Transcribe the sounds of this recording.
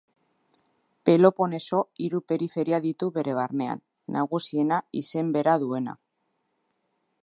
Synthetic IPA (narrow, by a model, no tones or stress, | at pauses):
pe̞lo̞po̞ne̞so̞iɾupe̞ɾife̞ɾiaðit̪uβe̞ɾe̞β̞aɾne̞a̰nː | aɣusie̞naise̞mbe̞ɾaðue̞na̰